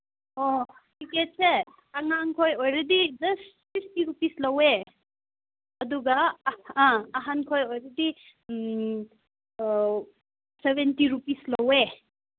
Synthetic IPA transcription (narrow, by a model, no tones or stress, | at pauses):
o | kiket̚se | aŋaŋkʰojojɾɐdid͡ʒɐssistiɾupislɐwe | ɐduɡɐãːɦankʰojojɾɐdi | sebentiɾupislɐwe